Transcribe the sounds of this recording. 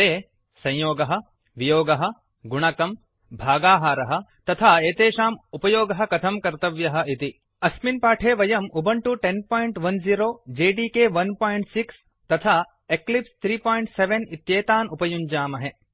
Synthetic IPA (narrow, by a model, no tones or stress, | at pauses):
t̪eː | sɐ̃joːɡɐɦɐ̆ | ʋijoːɡɐɦɐ̆ | ɡuɳ̃ɐkɐm | bʱaːɡaːɦaːɾɐɦɐ̆t̪ɐt̪ʰaːeːt̪eːʃaːmupɐjoːɡɐɦɐ̆kɐt̪ʰɐmkɐɾt̪ɐʋjɐɦɐ̆it̪i | ɐsminpaːʈʰeːʋɐjɐmubɐɳʈuʈenpoːjɳʈʋɐnziːɾoːd͡ʒeːɖiːkeːʋɐnpaːjɳʈsiks | t̪ɐt̪ʰaː | eklipst̪ʰɾiːpoːjɳʈseʋenit̪jeːt̪aːnupɐjuɲd͡ʒaːmɐɦe